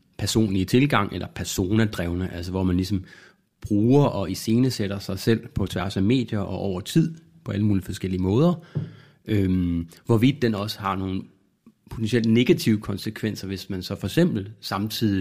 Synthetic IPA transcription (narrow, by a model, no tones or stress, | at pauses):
pʰæɐso̝̰ːnlit͡sʰe̝lɡ̥ɑ̈ŋ̰ʔelʔɐpʰæɐso̝ːnæd̥ʁɛʊnəʔæls̬ɐʋɒmænlisɒ̽m | b̥ʁuːɐʔɒ̽ise̝ːnəseɾ̥ɐsɑ̈ɪsel̰pʰɒ̽t͡sʰʋæɐsæme̝̰ːd̥jɐʔɒ̽ʔɒʊ̰ɐt͡sʰið̰ˠ | pʰɒ̽æləmuːlifɒ̽sɡ̥el̰iəmɔ̽ːð̞ˠɐ | ømʋɒʋid̥ˠːenɒ̽səhɑ̈no̝ːn̩ | pʰo̝t͡sʰensiel̰̥ne̝ɡ̥æt͡sʰiʊəkʰɒ̽nsəkʰʋen̰sɐʋe̝smænsɒ̽fɒ̽e̥sem̰b̥l̩sɑ̈mt͡sʰið̰ˠi